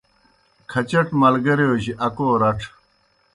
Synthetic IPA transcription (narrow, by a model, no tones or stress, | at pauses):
kʰɐt͡ɕɐʈmɐlɡɐɾeoːɕiʔɐkoːɾɐʈ͡ʂʰ